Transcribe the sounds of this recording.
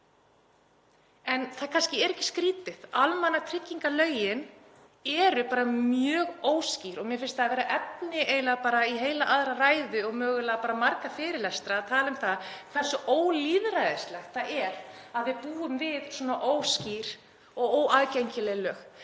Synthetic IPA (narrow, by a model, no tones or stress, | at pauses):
ɛnθaðkʰanscɪɛɾɛcːɪ̥skɾiːt̪ɪðalmanːat̪ʰɾɪcːiŋkalœːɥjɪn | ɛɾʏpaːɾamjœːɣoːwsciɾɔɣmjɛfɪlst̪aːvɛːɾaʔɛt̚nɪʔejlapaːɾaiɦeːjlaʔaðɾaraːjðʏɔɣmœːɣʏlapaːɾamaɾkafɪːɾɪlɛst̪ɾaːt̪ʰaːlɪmθaðkʰv̥ɛ̥sʏʔoːwliːðɾaðɪst̪lɛxt̪θaðɛɾaðvɪðpuːʏmvɪðswuɔːnaʔoːwsciɾ̥ | ɔɣoːwaðcejɲcɪlɛːlœːx